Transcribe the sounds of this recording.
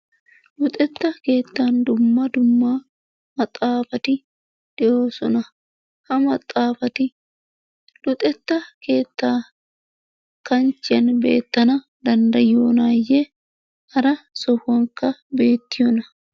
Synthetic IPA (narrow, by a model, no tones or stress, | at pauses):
lʊt̪ʼɛt̪ːɐke̞ːt̪ːaːnd̪ʊmːɐd̪ʊmːaː | mɐt̪ʼaːfɐt̪ɪ | d̪̥ɛjo̞ːsɔnɐ | hɐmɐt̪ʼaːfɐt̪ɪ | lʊt̪ʼɛt̪ːɐke̞ːt̪ːaː | kɐnt͡ʃːɪjɐnbe̞̰ːt̪ːɐnɐ | d̪ɐnd̪ɐjo̞ːnaːjːɛ | hɐɾɐsɔhɔŋkɐbe̞ːt̪ːɪjɔnɐ